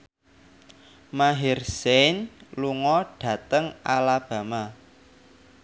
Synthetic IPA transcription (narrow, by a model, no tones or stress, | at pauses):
maɦɪrsenluŋɔɖ̥ä̤t̪əŋalab̥ä̤ma